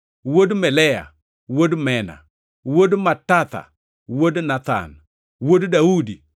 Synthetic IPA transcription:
wodmɛlɛja̰ | wodmɛna̰ | wodmatat̪a̰ | wodnat̪a̰n | woddaudi

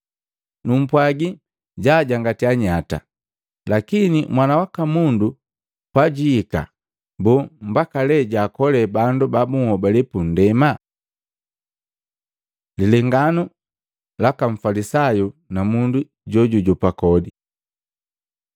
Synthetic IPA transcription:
num̩pwaɡi | ɟaːɟaŋɡatiaɲata̰ | lakinimwanawakamundu | paɟiːka̰ | bum̩bakalɛɟaːkɔlɛbandubabuŋhɔbalɛpun̩dɛma | lilɛŋɡanu | lakaɱ̩falisajunamundu | ɟɔɟuɟɔpakɔdi

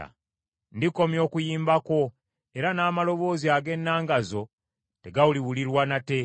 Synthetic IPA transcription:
a̰ | ndiko̞mjo̞ːkujiːmbako̞ | e̞ɾanaːmalo̞βo̞ːziaɡe̞nːaːŋɡazo̞ | te̞ɡawuliwuliɾwanate̞

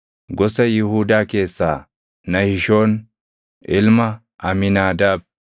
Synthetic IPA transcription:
ɡɔsɐjɪhuːd̪aːke̞ːsːaː | nɐhɪʃo̞ːn | ʔɪlmɐ | ʔɐmɪnaːd̪aːb̚

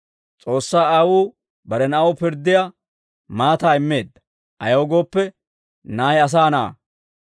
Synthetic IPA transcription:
t͡sʼo̞ːsːaːaːwuː | bɐɾɛnɐʔopɪɾd̪ːɪja | maːt̪aːɪmːe̞ːd̪ːɐ̥ | ʔɐjɐwɡo̞ːpːɛ | naːjɐs̬aːnɐ̰ː

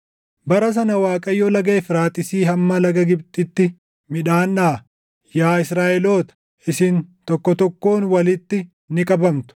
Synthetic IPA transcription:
bɐɾɐs̬ɐnɐwaːkʼɐjɔlɐɡeːfɾaːt̪ʼɪsiːɦɐmːɐlɐɡɐɡɪbt̪ʼɪt̪ːɪ | mɪᶑaːnːaː | jaːɪsɾaːʔɛlo̞ːt̪ɐ̥ | ɪsɪnt̪ɔkːɔt̪ɔkːo̞ːnwɐlɪt̪ːɪ | nɪkʼɐbɐmt̪ʊ̥

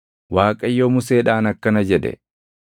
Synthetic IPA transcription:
waːkʼɐjːoːmʊseːᶑaːnɐkːɐnɐd͡ʒɛᶑɛ̰

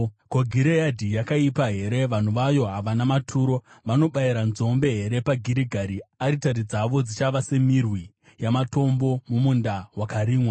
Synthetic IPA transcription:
koɡʱiɾejadʱijakaipaɦe̞ɾe̞ʋan̤uʋajo̞ɦaʋanamatʰuːɾo̞ʋano̞ɓaiɾanzo̞mbe̞ɦe̞ɾe̞paɡʱiɾiɡʱaɾiaɾitaɾid͡zaʋo̞d͡zit͡ʃaʋase̞mirwi | jamato̞mbo̞mumundawakaɾiːmwa

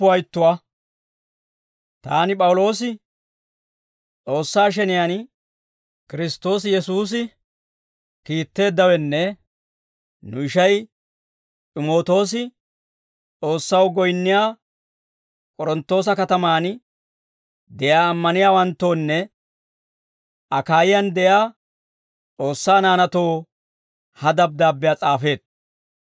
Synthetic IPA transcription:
pːʊɐjt̪ːʊwa | t̪aːnɪpʼɐwlo̞ːs̬ɪ | t͡sʼo̞ːsːaːʃ̬ɛnɪjan | kɪɾɪst̪ːo̞ːs̬jɛsuːs̬ɪ | kiːt̪ːe̞ːd̪ːɐwɛnːɛ | nʊɪʃɐj | tʼɪmo̞ːt̪o̞ːs̬ɪ | t͡sʼo̞ːsːɐwɡɔjnːɪjaː | kʼɔɾɔnt̪ːo̞ːs̬ɐkɐt̪ɐmaːn | d̪ɛjaːmːɐnɪjaːwɐnt̪ːo̞ːnːɛ | ʔɐkaːjɪjɐnd̪ɛjaː | t͡sʼo̞ːsːaːnaːnɐt̪o̞ː | hɐd̪ɐb̚d̪aːbːɪjaːt͡sʼaːfe̞ːd̪̚

